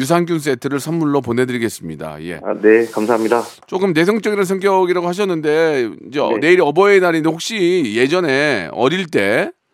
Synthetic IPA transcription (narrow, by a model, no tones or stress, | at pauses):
jus̬ʰaŋɡuns̬͈e̞tʰɯɾɯɭsʰamːuɭːopone̞dɯɾiɡe̞s͈ɯmɲida̰je̞̰nekamsʰaɦamɲida | t͡ɕ͈ok͈ɯmne̞s̬ʰʌŋt͡ɕ͈ʌɡiɾɯns̬ʰʌŋɡjʌɡiɾaɡohaɕ̬ʰʌnːɯnde̞ind͡ʑe̞̰ne̞iɾiʌbʌenaɾiɲdehok̚ɕ͈ije̞d͡ʑʌne̞ʌ̰ɾiɭt͈e̞